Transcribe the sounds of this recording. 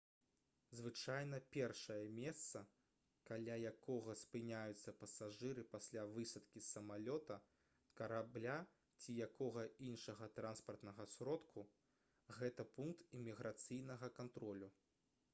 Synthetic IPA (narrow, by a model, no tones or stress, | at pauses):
zvɨt͡ʂajnɐpʲɛrʂɐjɐmʲɛst̪sɐ | kalʲajakɔɣɐspɨnʲajut̪sːɐpɐsaʐɨɾɨpasʲlʲavɨsɐt̪kʲisɐmalʲɔt̪ɐ | kɐɾablʲa | t͡sʲijakɔɣɐinʂɐɣɐt̪ɾanspɐrt̪nɐɣɐsɾɔt̪kʰu | ɣɛt̪ɐpunk̚t̪imʲiɣɾʔat̪sɨjnɐɣɐkant̪ɾɔlʲu